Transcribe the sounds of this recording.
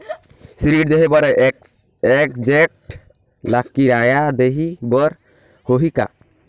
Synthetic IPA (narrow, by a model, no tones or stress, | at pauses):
siɾiʈ̚d̪eɦɛbaɾɛ | ɛk̚d͡ʒɛk̚ʈ | lakːiɾajad̪eɦibɔɾ | hoɦika̰